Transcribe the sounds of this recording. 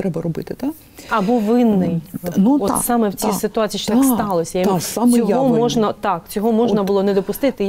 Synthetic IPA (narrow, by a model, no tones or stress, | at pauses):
t̪ɾɛbɐɾɔbɪt̪ɪt̪a | ɐbɔʋɪnːɪjnɔt̪sɑmɛwt͡sʲisɪt̪ʊɑt͡sʲiʃt̪ɑkst̪ɑlˠɔsʲɐjsamsʲɔɦɔmɔʒnɐt̪ɑkt͡sʲɔɦɔmɔʒnɐbʊlˠɔnɛd̪ɔpʊst̪ɪt̪ɪ